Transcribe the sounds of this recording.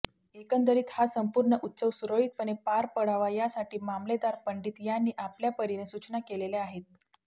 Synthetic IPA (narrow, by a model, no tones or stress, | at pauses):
ekənd̪əɾiːt̪hasəmpuɾɳəʔut̪ːsəʋsuɾoɦit̪̚pəɳepaɾpəɽaʋajasaʈiːmamled̪aɾpəɳɖiːt̪janːiːʔapljapəɾinesut͡ɕnakeleleaɦet̪̚